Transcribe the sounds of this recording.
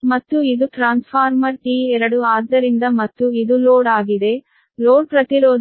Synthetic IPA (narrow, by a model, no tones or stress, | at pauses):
mɐt̪ːuid̪uʈɾaːnspʰaːɾmɐɾʈiːɛɾɐɽuaːd̪ːɐɾind̪ɐmɐt̪ːuid̪uloːɽaːɡid̪e̞ | loːɽpɾɐt̪iɾoːd̪